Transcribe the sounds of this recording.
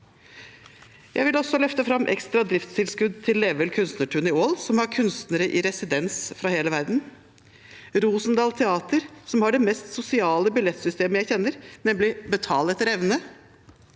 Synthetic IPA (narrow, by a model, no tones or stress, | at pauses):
jʔæɪʋɪlɔsɔlœft̪əfɾɑmʔɛ̰kst̪ɾɑd̪ɾɪft̪st̪ʰɪlskʉd̪t̪ʰɪlːɛʋəlkʰʉnst̪nəʈʰʉnɪoːlsɔmhɑɾkʰʉnst̪nəɾəʔɪ̰ɾɛsɪd̪ɛnsfɾɑheːləʋæɾd̪n̩ | ɾuːsnd̪ɑːlt̪ʰɛɑːt̪əɾsɔmhɑɖɛmɛst̪sʊsɪɑːləbɪlɛt̪sʏst̪eːməjæɪçɛnːəɾnɛmlɪbət̪ʰɑːlɛt̪ːəɾɛʋnə